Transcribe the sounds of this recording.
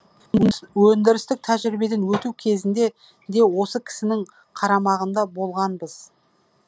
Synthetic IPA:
wɵnd̪ɪɾɪst̪ɪk̚t̪ʰæʒɾɪbe̞d̪enwɵt̪ukʲʰe̞zɪnd̪e̞ | d̪e̞wo̞səkʲʰɪ̥sɪnɪŋ | qʰɑɾɑmɑʁənd̪ɑbo̞lˠʁɑnbəz̥

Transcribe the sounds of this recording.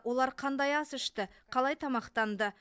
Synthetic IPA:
wʔo̞lˠɑɾqʰɑnd̪ɑjɑsʏʃt̪ɪqʰɑlˠɑjt̪ʰɑmɑqt̪ɑnd̪ə

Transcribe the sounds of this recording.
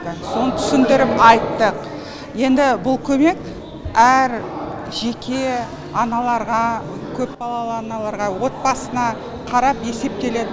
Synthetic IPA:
ɪso̞nət̪ʰʏ̥sɪnd̪ɪɾɪpɑjt̪ːəq | je̞nd̪ɪbʊlˠkʲʰɵme̞k | æɾ | ʒe̞kʲʰe̞ | ɑnɑlˠɑɾʁɑ | kʲʰɵpbɑlˠɑlˠəɑnɑlˠɑɾʁɑwo̞t̪̚bɑsənɑ | qʰɑɾɑpe̞se̞p̚t̪e̞le̞d̪ɪ

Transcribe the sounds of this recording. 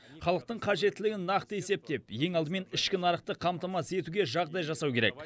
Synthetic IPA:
χɑlˠəq̚t̪əɴqʰɑʒe̞t̪ːɪlɪɡʲɪnːɑqt̪əe̞se̞p̚t̪e̞pje̞ŋɑlˠd̪əme̞nɪʃkʲɪnɑɾəqt̪əqʰɑmt̪ɑmɑse̞t̪uɡʲe̞ʒɑʁd̪ɑjʒɑsɑwkʲʰe̞ɾek

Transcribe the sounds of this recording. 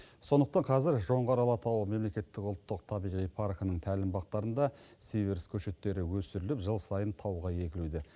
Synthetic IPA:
so̞nd̪əq̚t̪ɑɴqʰɑzɪɾʒo̞ɴʁɑɾɑlˠɑt̪ʰɑwəme̞mle̞kʲe̞t̪ːɪkʊlˠt̪ːəq̚t̪ʰɑbijʁijpʰaɾkənəɴŋt̪ʰælɪmbɑq̚t̪ɑɾənd̪ɑsiveɾskʲʰɵʃe̞t̪ːe̞ɾɪwɵsɪɾɪlɪpʒəlˠsɑjənt̪ʰɑwʁɑje̞kʲɪlud̪ɪ

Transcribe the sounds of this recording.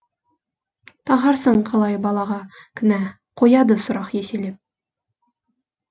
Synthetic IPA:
t̪ɑʁɑɾsɤɴqʰɑlˠɑjbɑlˠɑʁɑkɘ̆næ | qujɑd̪ɤsŏɾɑqjæsilɘp̚

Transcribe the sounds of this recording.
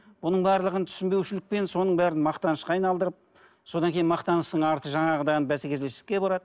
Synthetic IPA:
bʊnəɴbɑɾlˠəʁənt̪ʰʏ̥sɪmbe̞wʃɪlɪk̚pe̞nso̞nəɴbæɾɪnmɑqt̪ɑnəʃqɑːjnɑlˠd̪əɾəp̚ | so̞d̪ɑŋkʲʰe̞jɪnmɑqt̪ɑnəʃt̪əɴɑɾt̪əʒɑɴɑʁəd̪ɑjənbæsekʲezleʃɪkʲːe̞bɑɾɑd̪ə

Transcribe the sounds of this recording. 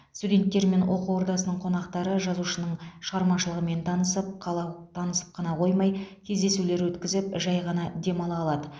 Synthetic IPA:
st̪udʲe̞nt̪ːe̞ɾme̞nwʔo̞quwo̞ɾd̪ɑsənəɴqʰo̞nɑqt̪ɑɾəʒɑzuʃənəɴʃəʁɑɾmɑʃəlˠəʁəme̞nt̪ʰɑnəsəp̚ˠt̪ʰɑnəsə̥p̚qʰɑnɑqʰo̞jmɑjkʲʰezd̪e̞sule̞ɾwɵt̪kʲɪzɪpʒɑjʁɑnɑd̪e̞mɑlˠɑːlˠɑd̪ə

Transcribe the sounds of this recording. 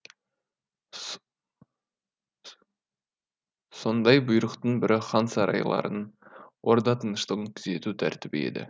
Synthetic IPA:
so̞nd̪ɑjbʊjɾəqt̪əɴbɪɾʔɪχɑnsɑɾʔɑ̰jlˠɑ̰ɾʔənwʔo̞ɾd̪ɑt̪ənəʃt̪əʁəŋt̪ʰʏze̞t̪ut̪ʰæɾt̪ɪbe̞̰d̪ɪ̰

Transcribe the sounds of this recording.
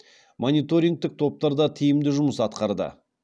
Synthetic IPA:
monijt̪o̞ɾʲiŋɡ̚t̪ɪk̚t̪ʰo̞p̚t̪ɑɾd̪ɑt̪ʰijɪmd̪ɪʒʊməsɑt̪qɑɾd̪ə̰

